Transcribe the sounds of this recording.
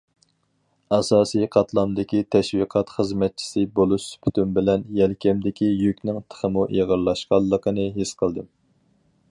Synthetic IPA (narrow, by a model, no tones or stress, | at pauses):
ɑsɑːsijqʰɑt̪ʰlˠɑmd̪ɪkʲit̪ʰɛʃwiqʰɑt̪χəzmɛt̪̚t͡ʃʰi̥sɨbolˠuʃpʰy̥t̪ʰymbɪlɛnjɛlkʲʰɛmd̪ɪkʲijøkʲnɪŋt̪ʰə̥χəmuʔeʁəɾlˠɑʃqɑlˠːəqʰənɨɦɪsqʰəlˠd̪ɨm